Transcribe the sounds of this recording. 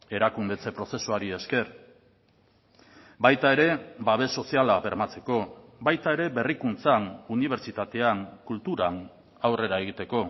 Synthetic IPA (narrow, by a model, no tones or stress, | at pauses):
e̞ɾakund̪e̞t͡se̞pɾo̞se̞suaɾie̞ske̞ɾ | bajt̪ae̞ɾe̞baβ̞e̞so̞sialaβe̞ɾmat͡se̞ko̞bajt̪ae̞ɾe̞be̞rikunt͡sanuniβ̞e̞ɾt͡ʃit̪at̪e̞aŋkult̪uɾan | awre̞ɾae̞ɣ̞it̪e̞ko̞